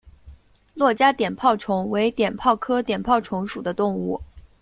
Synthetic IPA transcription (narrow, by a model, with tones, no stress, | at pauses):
lwɔ˥˩t͡ɕja˥t̪jɛ˨˩npʰɑ˥˩ʊʈ͡ʂʰʊ˧˥ŋwe˧˥ɪt̪jɛ˨˩npʰɑ˥˩ʊkʰɤ˥t̪jɛ˨˩npʰɑ˥˩ʊʈ͡ʂʰʊ˧˥ŋʂu˨˩d̪ə˦t̪ʊ˥˧ŋu˥˩